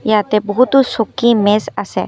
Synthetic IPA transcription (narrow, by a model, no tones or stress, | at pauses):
jat̪ɛbɔɦut̪usokimesasɛ̰